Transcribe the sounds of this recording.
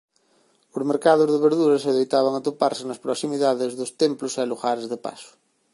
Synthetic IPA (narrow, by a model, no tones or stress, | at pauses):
ozmeɾkaðozðeβeɾðuɾaseðejt̪aβ̞aŋat̪opaɾsenaspɾoksimiðaðezðost̪emplosealuxaɾezðepa̰sʊ̥